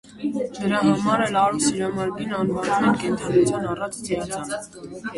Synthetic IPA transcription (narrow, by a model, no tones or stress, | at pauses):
d̪əɾɑɦɑmɑɾɛlɑɾusiɾɑmɑɾminɑnvɑnumɛnkɛnt̪ʰɑnut͡sʰjɑnɑrɑt͡sʰt͡s̪ʰɛɑt͡sʰɑnə